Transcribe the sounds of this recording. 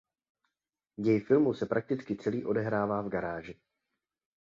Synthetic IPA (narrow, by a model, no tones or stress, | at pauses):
jɛjfɪlmusɛpɾak̚t̪ɪt͡skɪt͡sɛliːʔo̞dɛɦɾaːvaːvɡaɾaːʒɪ